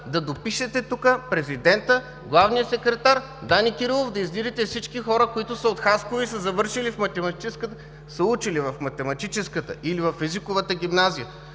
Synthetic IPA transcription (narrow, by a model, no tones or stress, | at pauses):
d̪ɐd̪opiʃɛt̪ɛt̪ukəpɾɛzid̪ɛnt̪ə | ɡlˠavnijəsɛkɾɛt̪aɾ | d̪anikʲiɾilˠofd̪ɐizlid̪ɛt̪ɛfsit͡ʃkixɔɾəkoit̪ʊsɐot̪xaskoisəzɐvɤɾʃilifmɐt̪ɛmɐt̪it͡ʃɛskət̪ə | səut͡ʃilivɐfmɐt̪ɛmɐt̪it͡ʃɛskət̪ə̰ilivɐfɛzikʊvət̪əɡʲimnazijə